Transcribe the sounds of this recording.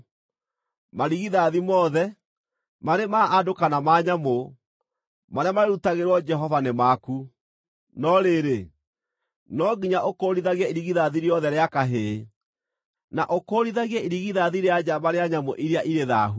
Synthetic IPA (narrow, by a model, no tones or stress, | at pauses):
maɾiɣiðaðimɔðɛ | maɾemaʔːdokanamaːɲamo | maɾeamaɾeɾutaɣeɾwɔd͡ʒɛɦɔvanemaku | nɔɾeɾe | nɔɡiɲaʔokoɾiðaɣjaiɾiɣiðaðiɾjɔðɛɾeakaɦe | naʔokoɾiðaɣjaiɾiɣiðaðiɾead͡ʒamaɾeaɲamo̰ʔiɾeaʔiɾeða̰ɦu